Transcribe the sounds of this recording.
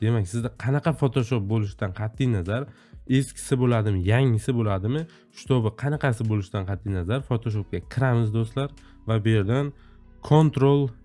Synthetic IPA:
d̪̥e̞mak̚ʲsɪzd̪aqʰɑnɑqʰɑfot̪ʰoʃop̚bolɪʃd̪anqʰɑt̪ʰːɪjnazaɾ | eskʲʰɪ̥sɪbolad̪ɪmɪjaŋɪsɪbolad̪ɪmɪ | ʃʊ̥t̪ʰobɪqʰɑnɑqʰɑsɪbolɪʃd̪anqʰɑt̪ʰːɪjnazaɾfot̪ʰoʃ̬op̚kʲakʲʰɪɾamɪzd̪ost̪laɾ | vabʊje̞ɾd̪an | kʰont̪ɾolˠ

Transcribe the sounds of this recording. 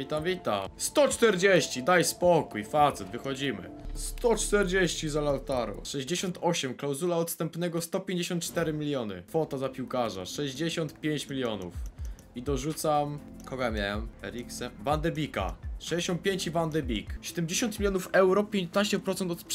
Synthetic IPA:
vʲit̪amvʲit̪a̰mst̪ɔt͡ʂt̪ɛɾd͡ʑeɕt͡ɕid̪ajspɔkujfat̪sɛd̪vɘxɔd͡ʑimɘ̰st̪ɔt͡ʂt̪ɛɾd͡ʑeɕt͡ɕizalawt̪aɾṵʂɛʑd͡ʑeɕɔnt̪ʰɔɕɛmklawzulaɔt̪st̪ɛmpnɛɡɔst̪ɔpʲjeɲd͡ʑeɕɔnt̪̚t͡ʂt̪ɛɾɘmʲilʲjɔnɘ̰kfɔt̪azapʲiwkaʐa̰ʂɛʑd͡ʑeɕɔnt̪pʲjeɲt͡ɕmʲilʲjɔnṵf | id̪ɔʐut̪sam | kɔɡajmʲjawɛmɛɾʲiksɛvand̪ɛbʲika̰ʂɛd͡ʑeɕɔnt̪̚pʲjeɲt͡ɕivand̪ɛbʲikɕɛd̪ɛmd͡ʑeɕɔnt̪mʲilʲjɔnufɛwɾɔpʲjeɲt̪naɕt͡ɕɛpɾɔt̪sɛnt̪ɔt̪p

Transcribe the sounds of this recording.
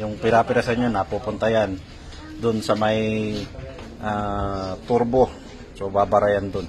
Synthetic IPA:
jʊŋpɪɾapɪɾasɐɲonapupʊnt̪ajan | d̪ʊnsɐmaj | ʔat̪uɾbo | sobabaɾajand̪ʊn

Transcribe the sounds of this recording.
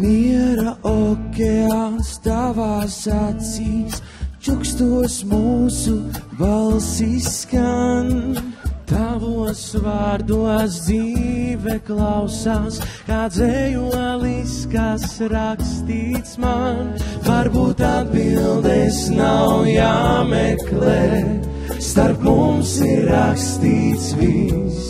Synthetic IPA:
miɛɾaʔokʲeanst̪avaːsat̪siːst͡ʃukst̪uəsmuːsuvalˠsiskan | t̪avuɔsvaːɾd̪uɔsd̪ziːvɛklˠawsaːskaːd̪zɛjuɔlˠiskasɾakst̪iːt̪smanvaɾbuːt̪ad̪bilˠd̪ɛsnawwjaːmɛklˠɛ | st̪aɾpmumsiɾːakst̪iːt̪svis

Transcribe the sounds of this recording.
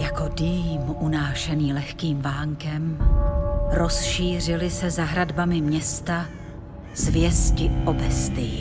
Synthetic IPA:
jako̞diːmunaːʃɛniːlɛxkiːmvaːŋkɛm | ɾo̞sʃiːr̝ɪlɪsɛzaɦɾadbamɪmɲɛst̪a | zvjɛscɪʔobɛst̪ɪ

